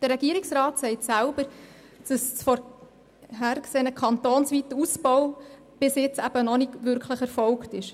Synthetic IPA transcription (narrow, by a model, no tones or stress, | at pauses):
d̥ərɾːɛɡ̥iːəɾɪksrɑːtsɛɪtsælb̥əɾ | d̥əssfɔɾ | ɦæɾkseːnəkʰɑnt̪oːnsʋit̪uspɔw | b̥ɪsjɪt͡sæb̥ənɔnɪɡʋʏɾkχləχɛɾfɔlktɪʃ